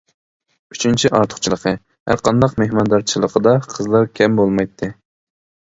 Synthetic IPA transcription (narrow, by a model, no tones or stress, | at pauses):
yt͡ʃʰint͡ʃʰiʔɑɾt̪ʰʊ̥χt͡ʃʰilˠəqʰə | hæ̰ɾqɑnd̪ɑqmehmɑnd̪ɑɾt͡ʃʰilˠəqʰəd̪ɑqʰəzlˠɑɾkʲʰɛmbolˠmɑjt̪ʰːɨ